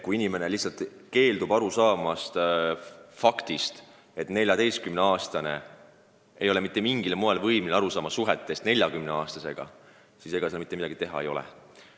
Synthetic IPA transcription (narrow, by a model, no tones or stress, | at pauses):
kuinime̞ne̞lihsɑlt̪ˑ | ke̞ːld̪ubɑɾusɑːmɑst̪ | fɑkt̪ist̪ | e̞t̪ːne̞lʲjɑd̪e̞jskymne̞ɑːst̪ɑne̞ | e̞jo̞lemit̪ˑːe̞miŋɡ̥ilmoelvɤjminlɑɾusɑːmɑsuɦet̪ːˑe̞st̪ne̞lʲjɑɡymneɑːst̪ɑse̞̰ɡ̥ɑ̰ | sise̞ɡ̥ɑselmit̪ːˑeid̪ɑ̰ɡ̥it̪e̞ɦɑ̰e̞jo̞lḛ